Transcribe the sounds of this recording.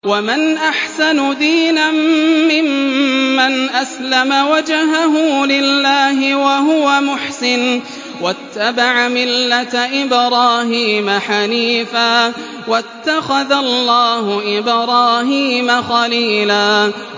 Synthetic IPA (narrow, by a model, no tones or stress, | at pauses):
wamanʔaħsanʊd̪iːnamːɪmː | anʔaslamawad͡ʒaɦaɦuːlɪlːaːɦɪwahʊwamʊħsɪn | wat̪ːabaʕamɪlːat̪ʔɪbɾˤɑːɦiːmaħaliːfaː | wat̪ːaxaðalːɑːhʊʔɪbɾˤɑːɦiːmaxaliːlaː